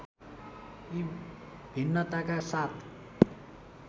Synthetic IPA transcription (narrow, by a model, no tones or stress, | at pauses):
i | bʱinːʌt̪akasat̪ʰ